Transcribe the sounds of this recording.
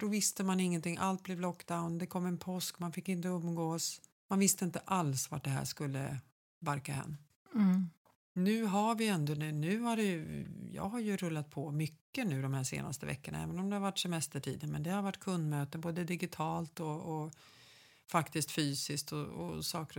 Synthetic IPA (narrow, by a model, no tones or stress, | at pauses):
d̪ɔvɪst̪əmanɪŋːənt̪ʰɪŋːʔalt̪̚blɛvlɔkːd̪aʊnd̪ɛkʰɔmːɛnpʰɔskmanfɪkːɪnt̪əɵmːɡoːs | manvɪst̪əɪnt̪əʔalsva̰ʈ̚ɖɛɦæ̰ːʂkɵlːə̰ | baɾkaɦɛ̰nː | nʉ̟ːɦaɾvɪɛnd̪ɔnʉnʉ̟ːhaɾɛjjɑ̰ːɡɦaɾjɵɾɵlːat̪̚pʰɔmʏkːənʉ̟ːd̪ɔmhæːʂḛːna̰st̪əvɛ̰kːəna̰ɛ̰ːvənɔmd̪ɛhaɾvaʈːsɛmɛst̪əʈʰḭːd̪ənmɛnd̪ɛhaɾvaʈːkʰɵnd̪møːt̪ənboːd̪əd̪ɪɡɪt̪ʰɑːlt̪ɔː | fakt̪ɪst̪fyːsɪskt̪ɔɔ̰sɑːkəɾ